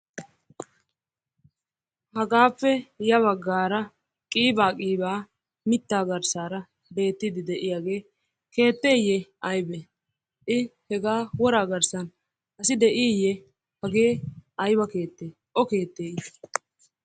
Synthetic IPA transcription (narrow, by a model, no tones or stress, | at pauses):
hɐɡaːpːɛjɐβɐɡːaːɾɐ | kʼiːbaːkʼiːbaː | mɪt̪ːaːɡɐɾsaːɾɐ | be̞ːt̪ːɪd̪ɪd̪ɛʔɪjaːɡe̞ː | ke̞ːt̪ːe̞ːjɛɐjbe | ʔɪhɛɡaːwɔɾaːɡɐɾsɐn | ɐsɪd̪ɛʔɪjɛ | hɐɡe̞ːɐjbɐke̞ːt̪ːeː | ʔɔke̞ːt̪ːeːj